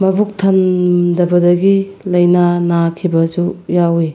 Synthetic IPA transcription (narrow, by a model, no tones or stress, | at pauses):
mɐbuk̚tʰɐndɐbɐdɐɡilɐjnanakʰibɐzujawi